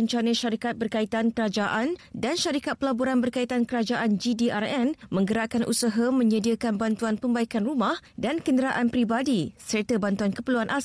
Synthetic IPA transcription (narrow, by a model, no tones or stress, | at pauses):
əɲt͡ʃanəʃaɾikat̪̚bərkait̪ankəɾad͡ʒaʔandanʃaɾikat̪̚pəlaboɾanbərkait̪ankəɾad͡ʒaʔand͡ʒidiʔarɛnmə̃ŋɡəɾaʔkanʔṵsaɦamə̃ɲədiəkanbant̪uanpəmbaikanrumãhdankəndəɾaʔanpɾibadisərt̪abant̪uankəpəluanʔa